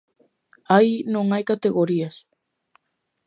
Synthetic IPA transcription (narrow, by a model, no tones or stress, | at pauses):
ajnõŋajkat̪e̞ɣo̞ɾias